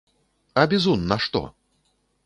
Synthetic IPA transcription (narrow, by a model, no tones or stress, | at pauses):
ɐbʲizunːɐʂt̪ɔ̰